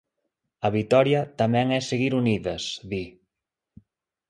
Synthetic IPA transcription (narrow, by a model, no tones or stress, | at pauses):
əβit̪ɔɾjat̪amɛŋɛseɣiɾuniðɐsði